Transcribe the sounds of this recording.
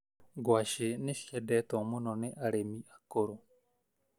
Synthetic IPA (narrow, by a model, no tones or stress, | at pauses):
ɡwaʃenefiɛdɛtɔmonɔneʔaɾemiʔakoɾo